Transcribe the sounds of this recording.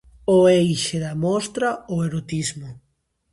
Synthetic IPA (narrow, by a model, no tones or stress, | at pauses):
oejʃeðɐmɔst̪ɾaoeɾot̪izmʊ